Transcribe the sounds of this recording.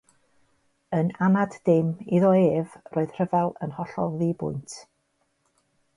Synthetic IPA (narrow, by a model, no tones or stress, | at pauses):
ənanadːɪmiðɔeːvroːɨð̥r̥əvɛlˠənhɔɬɔlˠðiːbʊ̰ɨntʰ